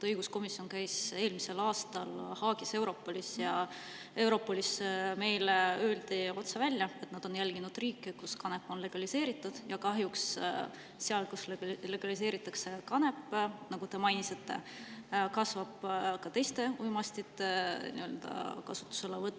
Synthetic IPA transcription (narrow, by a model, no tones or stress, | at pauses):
ɤjɡusko̞misjo̞nkæjse̞ːlmise̞lɑːst̪ɑlhɑːɡise̞wɾo̞pːolʲisjɑ | e̞wɾo̞pːo̞lʲisme̞jleø̞ːld̪̥io̞t̪sevælʲjɑe̞t̪nɑd̪̥o̞njælɡ̥inud̪̥riːkːekuskɑne̞pːˑo̞nle̞ɡ̥ɑlise̞ːɾit̪ːˑud̪̥jɑkɑɦjuks | seɑlkuslle̞ɡ̥ɑlis̬e̞ːɾit̪ːˑɑkse̞kɑne̞pːnɑɡ̥ut̪e̞mɑjnise̞t̪ːe̞̰ | kɑsvɑb̥kɑt̪e̞jst̪e̞ujmɑst̪it̪nḭø̞ld̪ɑ̰kɑsu̥t̪ːˑu̥se̞levɤt̪ː